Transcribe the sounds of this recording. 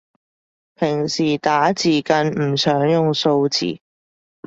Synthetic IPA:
pʰɪ˨˩ŋsiː˨˩t̪aː˨˥t͡siː˨˩kɐ˧nm̩˨˩sœː˨˥ŋjʊ˨ŋso˧wt͡sʰḭː˨˩

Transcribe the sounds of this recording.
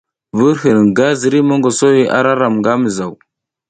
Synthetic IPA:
və˦ɾɦə˨n˨ɡa˦zə˨ɾi˦mə˦ŋɡo˨so˦wi˦ʔa̰˦ɾa˦ɾa˨mɡa˦mə˨za˨w

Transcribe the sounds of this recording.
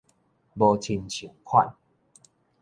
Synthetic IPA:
bo˧t͡ɕʰi˧nt͡ɕʰu˨˩˦kʰwa̰˥˨n

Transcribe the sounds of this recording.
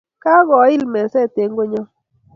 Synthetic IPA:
ka˦ɡɔ˨˦ɪ˦lmɛ˨˦sɛ˦˨te˨˦ŋɡo˦ɲɔ˦

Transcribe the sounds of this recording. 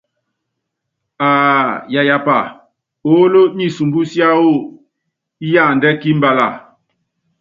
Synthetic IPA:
aː˨ja˨ja˨pa̰˨ | o˦lo˦ɲi˦su˨mbu˦sja˦wo˦˨ | i˦ja˦˨ndɛ˦ki˦mba˨la̰˨

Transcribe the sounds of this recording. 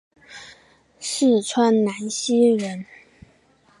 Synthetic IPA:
ʂɻ̩˥˩ʈ͡ʂʰwa˥nna˧˥nɕi˥ɻə˧˥n

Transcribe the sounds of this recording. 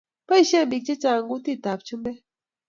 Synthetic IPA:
pə˦i˦ʃɛ˦˨m˨bi˨k̚t͡ʃe˦t͡ʃa˦˨ŋɡu˦ti˦˨ta˨p̚t͡ʃu˦mbɛ˦

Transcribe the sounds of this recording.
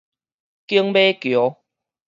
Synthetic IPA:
ki˦əŋbe˦kjo˨˦

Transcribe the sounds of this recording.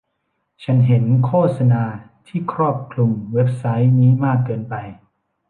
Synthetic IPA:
t͡ɕʰa˦˥nɦe˩˦nkʰoː˥˩t̪̚sa˧naː˧t̪ʰiː˥˩kʰɾɔː˥˩p̚kʰlu˧ŋwe˦˥p̚sa˦˥jniː˦˥maː˥˩kːɤː˧npa˧j

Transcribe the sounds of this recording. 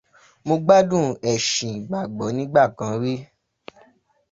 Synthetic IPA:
mo˧ɡ͡ba˦dũ˦˨ɛ˨ʃĩ˨ɡ͡ba˨ɡ͡bɔ˨˦nĩ˦ɡ͡ba˦˨kã˧˦ɾi˦

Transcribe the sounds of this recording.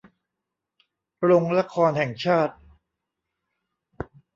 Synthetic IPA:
ɾo˧ŋla˦˥kʰɔː˧nhɛ˨˩ŋt͡ɕʰaː˥˩t̪̚

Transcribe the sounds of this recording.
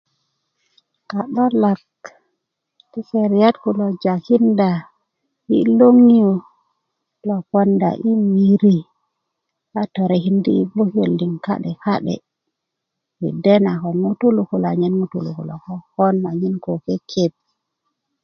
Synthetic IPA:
ka˨ɗɔ˦la˨k | ti˦fe˨ɾija˦tku˨lo˨d͡ʒa˨hi˦nda˨ | ḭ˦lo˦ŋi˦jo˨ | lo˨pɔ˦nda̰˨ʔi˦wi˨ɾi˦ | ʔa˦to˨ɾɛ˨hi˦ndi˦i˦bo˦hi˦o˨lːi˨ŋka̰˦ɗɛ˨ka˦ɗɛ̰˨ | wḭ˨dɛ˦na˨kɔ˨nmu˦tu˦lu˨ku˨la˨ɲɛ˦nmu˦tu˨lṵ˨kṵ˨la̰˨kɔ˦hɔ˦nma˨ɲi˦nko˨kɛ˦kʰep̚

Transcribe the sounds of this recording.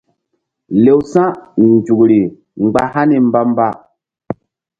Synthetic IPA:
le˨wsã˦nn˨d͡ʒu˨kɾi˨ | ŋ͡mɡ͡ba̰˦ha˦ni˨m̩˦ba˦m˦ba˦

